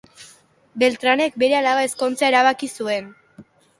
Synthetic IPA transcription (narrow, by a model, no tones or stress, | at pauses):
be̞lt̪ɾane̞k̚be̞ɾe̞alaβae̞sko̞nt͡sae̞ɾaβ̞akisue̞n